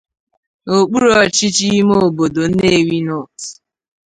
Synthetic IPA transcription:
o˨k͡pu˦ɾɔ˦˨t͡ʃi˦t͡ʃi˦mo˦˨bo˨do˨n̩˦ne˦˨wi˦nɔ˦˨t

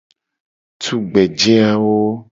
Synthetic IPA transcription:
t̪ʰu˦ɡ͡bɛ˨d͡ʒɛ˦a˦wo˦

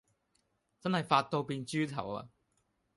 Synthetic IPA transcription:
t͡sɐ˥nhɐ˨˩jfaː˧t̚t̪ːo˧wpiː˧nt͡ɕyː˥t̪ʰɐ˨˩wa̰˧

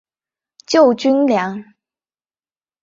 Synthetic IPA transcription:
t͡ɕjo˥˩ʊt͡ɕy˥nljɑ˧˥ŋ

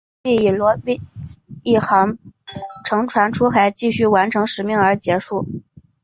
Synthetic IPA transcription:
i˥˩i˨˩lwɔ˧˥pi˥i˥˩xɑ˧˥ŋ | ʈ͡ʂʰɤ˧˥ŋʈ͡ʂʰwa˧˥nʈ͡ʂʰu˥xa˧˥ɪt͡ɕi˥˧ɕy˥˩wa˧˥nʈ͡ʂʰɤ˧˥ŋʂɻ̩˨˩mi˥˩ŋə˞˧˥t͡ɕjɛ˧˥ʂu˥˩

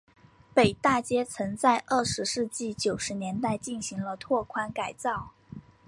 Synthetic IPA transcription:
pe˨˩ɪt̪a˥˩t͡ɕjɛ˥t͡sʰɤ˧˥ŋt͡sa˥˧ɪʔə˥˩ʂɻ̩˧˥ʂɻ̩˥˧t͡ɕi˥˩t͡ɕjo˨˩ʊʂɻ̩˧˥njɛ˧˥nt̪a˥˧ɪt͡ɕi˥˩nɕi˧˥ŋlə˧t̪ʰwɔ˥˩kʰwa˥nka˨˩ɪt͡sɑ˥˩ʊ

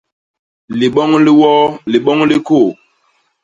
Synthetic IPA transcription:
li˨ɓɔ˦ŋli˦wɔ˦li˨ɓɔ˦ŋli˦ko˦˨

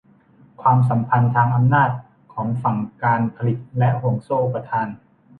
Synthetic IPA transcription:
kʰwaː˧ms̬a˩˦mpʰa˧nt̪ʰaː˧ŋʔa˧mnaː˥˩t̪̚ | kʰɔː˩˦ŋfa˨˩ŋkaː˧npʰa˧li˨˩t̪̚lɛ˦˥ʔhu˨˩əŋsoː˥˩ʔo˨˩pːa˧t̪ʰaː˧n

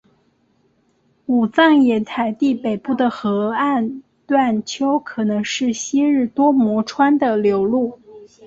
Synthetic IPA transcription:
u˨˩t͡sɑ˥˩ŋjɛ˧˥nt̪ʰa˧˥ɪt̪i˥˩pe˨˩ɪpu˥˩d̪ə˩xɤ˧˥a˥˧n | t̪wa˥˩nt͡ɕʰjo˥ʊkʰɤ˨˩nɤ˧˥ŋʂɻ̩˥˩ɕi˥ɻɻ̩˥˩t̪wɔ˥mwɔ˧˥ʈ͡ʂʰwa˥nd̪ə˨ljo˧˥ʊlu˥˩

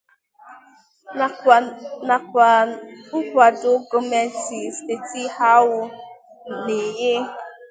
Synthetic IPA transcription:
na˨kʷa˨ʊ˦kʷa˨dʊ˦ɡo˨me˨n̩˦ti˨ste˨ti˦ha˦wʊ˦ | ne˨je˦

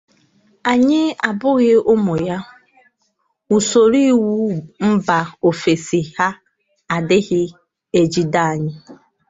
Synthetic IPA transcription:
a˨ɲɪ˦a˨bʊ˦ɣɪ˦ʊ˦mo˨ja˦ | u˨so˨ɾi˦˨wu˦m̩˦ba˨o˨fe˨si˨ha˦ | a˨dɪ˦ɣɪ˦ | e˦d͡ʒi˦da˦˨a˨ɲɪ˦

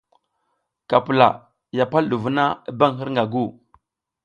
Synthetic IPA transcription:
ka˨pu˨la̰˨ | ja˨pa˦lɗu˨vu˦na˦i˦ba˦ŋɦi˦ɾŋɡa˨ɡu˦˨

